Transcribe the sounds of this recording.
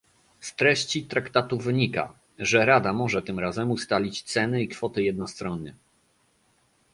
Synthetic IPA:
st̪ɾɛɕt͡ɕit̪ɾakt̪at̪uvɘɲika̰ | ʐɛɾad̪amɔʐɛt̪ɘmɾazɛmust̪alʲit͡ɕt̪sɛnɘikfɔt̪ɘjɛd̪̚nɔst̪ɾɔnːɛ̰

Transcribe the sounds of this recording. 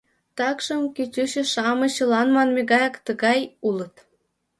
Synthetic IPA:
t̪ɑkʃɤ̆mkytʲyɕɘ̆ʃɑmɤ̆ɕɤ̆lˠɑnmɑnmʲeɡɑjɑ̆kt̪ə̆ɡɑjulɤ̆t̪

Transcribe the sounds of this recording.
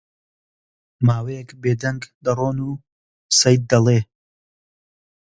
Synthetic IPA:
maːwejɛkbeːd̪ɐŋɡd̪ɐroːnuː | sɐjd̪̚ːɐlˠeː

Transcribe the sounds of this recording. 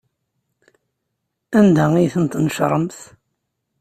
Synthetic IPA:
ænd̪æijθənt̪nəʃɾˤəmθ

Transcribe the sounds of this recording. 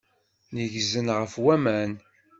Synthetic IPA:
nəʝzənʁəfwæmæn

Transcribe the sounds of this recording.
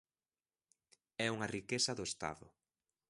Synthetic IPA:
ɛuŋɐrikesɐðʊest̪a̰ðʊ̰

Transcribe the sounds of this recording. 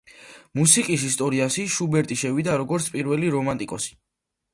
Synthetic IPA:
musikʼis̬ist̪ʼɔɾiasiʃubɛɾt̪ʼiʃɛvid̪aɾɔɡɔɾt̪sʰpʼiɾvɛliɾɔmant̪ʼikʼɔsi̥

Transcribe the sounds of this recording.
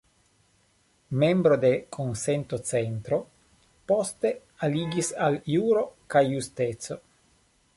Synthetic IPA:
me̞mbɾo̞d̪e̞kʰonse̞nt̪o̞t͡se̞nt̪ɾo̞ | po̞st̪e̞ | aliɡisaljuɾo̞kajːust̪e̞t͡so̞

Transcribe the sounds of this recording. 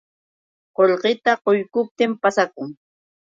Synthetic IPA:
qoʎqɪt̪aqojkʊp̚t̪ɪmpasakʊŋ

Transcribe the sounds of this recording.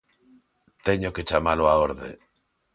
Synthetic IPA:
t̪e̞ɲoke̞t͡ʃamaloaoɾðḛ

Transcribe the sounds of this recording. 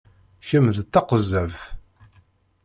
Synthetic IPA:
çəmðt̪ːɑqəzːævθ

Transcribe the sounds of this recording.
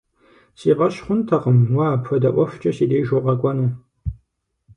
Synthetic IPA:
siːʁɐɕχʷʊntʰɐqəmwaːpxɐdɐʔʷɔft͡ʃʼɐɕiːdeːjʒoʁɐkʷʼɔnɐ

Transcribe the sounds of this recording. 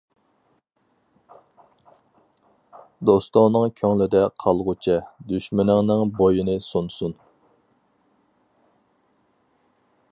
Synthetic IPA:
d̪ost̪ʊŋnɨŋkʲʰøŋlɪd̪ɛqʰɑlˠʁʊt͡ʃʰɛd̪yʃmɪnɪŋnɪŋbojinɪsunsun

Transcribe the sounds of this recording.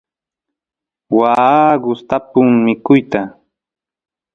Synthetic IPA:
waɢʊst̪apʊŋmɪkʊjt̪a

